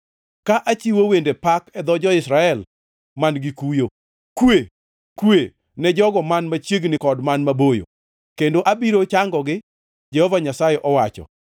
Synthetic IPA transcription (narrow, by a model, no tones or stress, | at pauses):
kaʔat͡ʃiwowendepakɛd̪ɔd͡ʒɔɪsɾaɛl | manɡikujo | kwe | kwe | nɛd͡ʒɔɡɔmanmat͡ʃjeɡnɪkɔdmanmabojo̰ | kendoʔabiɾot͡ʃaŋɡɔɡɪ | d͡ʒɛhovaɲasajɛʔɔwat͡ʃɔ̰